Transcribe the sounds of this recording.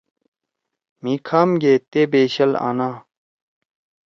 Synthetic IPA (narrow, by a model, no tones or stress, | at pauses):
miːkʰaːmɡeːt̪eːbeːɕɐla̰ːnaː